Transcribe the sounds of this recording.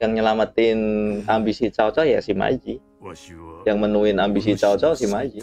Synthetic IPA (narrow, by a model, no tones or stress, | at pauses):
jaŋɲəlamat̪ɪnambisit͡ʃat͡ʃɔja̰sima̰d͡ʒi | jaŋmənuɪnambis̬it͡ʃawt͡ʃɔsihmad͡ʒi